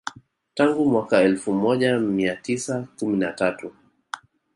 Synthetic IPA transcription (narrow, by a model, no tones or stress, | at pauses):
taŋɡumwakaɛlfumɔʄamiatisakuminatatu